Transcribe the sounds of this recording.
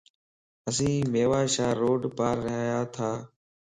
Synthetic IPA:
əs̬ĩːmeːʋaːʃaːɾoːɖpaːɾːɪɦaːjaːt̪ʰaː

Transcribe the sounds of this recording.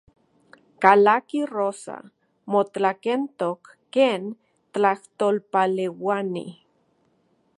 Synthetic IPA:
kalakiroːsa̰ | mot͡ɬakent̪okːeːn | t̪t͡ɬaht̪oːlpalewanḭ

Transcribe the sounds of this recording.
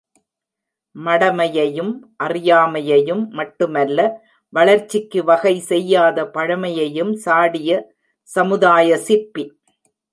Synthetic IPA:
mɐɽɐmɐjɐjɯmʔɐrɪjaːmɐjɐjɯmːɐʈːɯmɐlːɐ | ʋɐɭɐɾt͡ʃːɪkːɯʋɐɣɐɪsɛjːaːðɐpɐɻɐmɐjɐjɯmsaːɽɪjɐ | sɐmɯðaːjɐsɪɾpi

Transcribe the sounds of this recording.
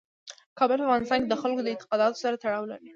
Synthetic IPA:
kɑbəlafɣɑnɪst̪ɑnked̪əxalkod̪əɪnt̪ɪ̥qɑd̪ɑt̪o̥saɾat̪aɽɑwla̰ɾi

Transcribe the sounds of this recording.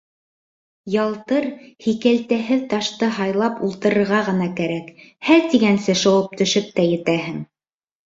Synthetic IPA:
jɑlˠt̪ɤɾhikælt̪æɦɘðt̪ɑʃt̪ɤɦɑjlˠɑpulˠt̪ɤ̆ɾɤ̆ɾʁɑʁɤ̆nɑkæɾækhæɾt̪iɡænsɘʃŏwɤp̚t̪ɵ̆ʃɵp̚t̪æjɘ̆t̪æɦɘŋ

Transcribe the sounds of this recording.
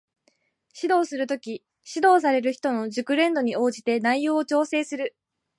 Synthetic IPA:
ɕid̪o̞ːsɨɾɯ̟t̪o̞kʲi | ɕid̪o̞ːs̬aɾe̞ɾɯ̟çi̥t̪o̞no̞ʑɨkɯ̟ɾẽ̞nd̪o̞ɲ̟io̞ːʑit̪e̞naijo̞ːot͡ɕo̞ːse̞ːsɨɾɯ̟

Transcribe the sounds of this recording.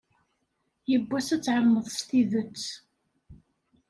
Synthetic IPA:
jəbːæsæt͡sːʕəmːəðˤst̪iðət͡sː

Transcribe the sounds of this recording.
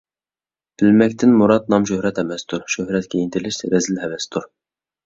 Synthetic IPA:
b̥ɪlmɛkʲt̪ʰɪnmuɾɑt̪nɑmʃ̬øhɾɛt̪ɛmɛst̪ʰuɾʃøhɾɛt̪̚kʲʰejint̪ʰɪlɪʃt̪ɾɛzɪlhɛvɛst̪ʰuɾ

